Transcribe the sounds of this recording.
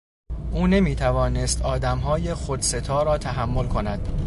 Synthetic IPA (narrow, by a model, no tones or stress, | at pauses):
ʔuːne̞miːt̪ʰævɒːnest̪ɒːd̪æmɦɒːje̞xod̪se̞t̪ʰɒːɾɒːt̪ʰæɦæmːo̞lkʰo̞næd̪̥